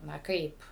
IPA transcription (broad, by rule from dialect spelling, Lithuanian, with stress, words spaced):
nɐ ˈkɐɪp